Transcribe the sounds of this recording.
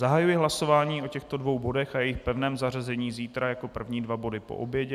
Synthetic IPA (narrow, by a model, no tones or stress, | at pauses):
zaɦajujɛɦlaso̞vaːɲiːʔo̞cɛxt̪o̞dvo̞wbo̞dɛxʔajɛjɪxpɛvnɛːmzarazɛɲiːziːt̪ɾajako̞pr̩vɲiːdvabo̞dɪpo̰ʔobjɛɟɛ